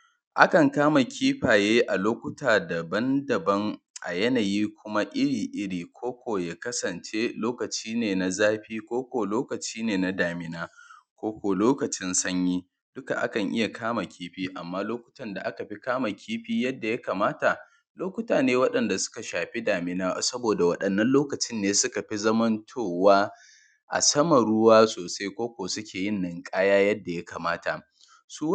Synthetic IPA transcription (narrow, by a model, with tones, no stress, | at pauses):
ʔa˦kɐ˨ŋkaː˦ma˨kʲʰiː˦ɸaː˨jeː˦ʔa˨loː˦kʷʊ˦taː˨da˨bɐ˦ndɐ˨bɐ˦ŋ | ʔa̰˨jɐ˦naː˨jiː˦kʷʊ˦ma˦ʔɪ˦ɽiː˨ʔɪ˦ɽiː˨kʷʰoː˦kʷoː˨jaː˦kɐ˦sɐ˨nt͡ʃe˦loː˦kɐ˨t͡ʃiː˦neː˨na˦zaː˦ɸiː˦kʷoː˦kʷoː˨loː˦kɐ˨t͡ʃiː˦neː˨na˦daː˨mɪ˨naː˦kʷoː˦kʷoː˨loː˦kɐ˨t͡ʃɪ˦nsɐ˦ɲjiː˦ | d̥ʊ˦ka̰˨ʔa̰˦kɐ˨ŋʔɪ̰˦ja˨kʰaː˦ma˨kʲʰiː˦ɸiː˦ʔa˨mːaː˦loː˦kʷʊ̥˦tɐ˦nda˨ʔa˦ka˨ɸi˦kaː˦ma˨kʲʰiː˦ɸiː˦jɐ˦dːa˨ja˦kaː˨maː˦ta˨ | loː˦kʷʊ˦taː˨neː˦wɐ˦ɗɐ˨nda˨sʊ̥˦ka˨ʃaː˨ɸi˦daː˨mɪ˦naː˦˨sɐ˦boː˨da˨wɐ˦˨ɗɐ˨nːɐ˦nloː˦kɐ˨t͡ʃɪ˦nːeː˦sʊ˦ka˨ɸi˦zɐ˦mɐ˦ntʰoː˦˨waː˦ | ʔa̰˨sɐ˦mɐ˨ɽʊ˦waː˦soː˨sa˦jkʷoː˦kʷoː˨sʊ˦kʲʰeː˨jɪ˦nːɐ˨ŋkʼaː˦jaː˦jɐ˦dːa˨ja˦kaː˨maː˦ta˨ | suː˦